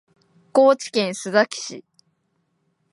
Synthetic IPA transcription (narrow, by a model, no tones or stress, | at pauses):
ko̞ːt͡ɕi̥kẽ̞ɰ̃sɨzakʲi̥ɕḭ